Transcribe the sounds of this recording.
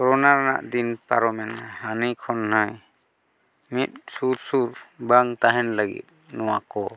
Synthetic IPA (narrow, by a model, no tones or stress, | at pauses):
kɔɾɔnaɾana̰ʔd̪inpaɾɔmɛnhanikʰɔnnaj | mit̪̚ˀsuɾsuɾbaŋt̪aɦɛnlaɡḭt̪̚nɔwakɔ